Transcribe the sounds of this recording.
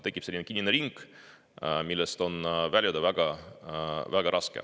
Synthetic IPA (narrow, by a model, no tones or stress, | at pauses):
t̪e̞kːˑipselːinekinʲːineɾiŋɡ̥ | milːɛst̪o̞nvælʲjɑd̪evæɡ̥ɑ | væɡ̥ɑɾʔɑskḛ